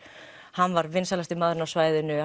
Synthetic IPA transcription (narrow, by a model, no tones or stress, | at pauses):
hanːvaɾvɪnsalast̪ɪmaðɾʏnawsvaːjðɪnʏ